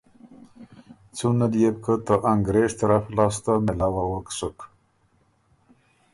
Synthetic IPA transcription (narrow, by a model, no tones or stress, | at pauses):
t͡sunad̪jeb̚kʰət̪əʔaŋɡɾeʂt̪aɾaflɑst̪amelawawəksʊk